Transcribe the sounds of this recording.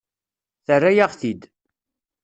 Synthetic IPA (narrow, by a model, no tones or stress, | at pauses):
θərːæjaʁθid̪